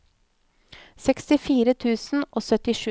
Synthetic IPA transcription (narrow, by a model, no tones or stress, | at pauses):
sɛkst̪ɪfiːɾət̪ʰʉːsn̩oːsœt̪ɪʃʉ